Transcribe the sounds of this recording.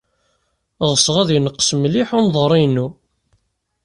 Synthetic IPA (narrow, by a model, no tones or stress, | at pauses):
ʁəsʁæðjənəqːə̥smliħʊnðˤəɾˤinːu